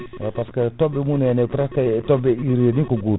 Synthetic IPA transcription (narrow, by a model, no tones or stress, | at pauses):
paskatobemunenekuɾakatobeiɾnikoɡu